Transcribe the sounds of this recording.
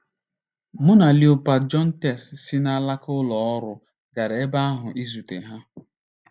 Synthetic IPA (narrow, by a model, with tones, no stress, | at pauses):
mʊ˦na˨li˨ʊ˨pa˨d͡ʒɔ˦n̩˦te˨ssi˦na˦la˦kʊ˦lɔ˨ɔ˦ɾʊ˨ | ɡa˨ɾe˦ba˦a˦ɦʊ˨ʔi˦zu˨tḛ˨ɦa˦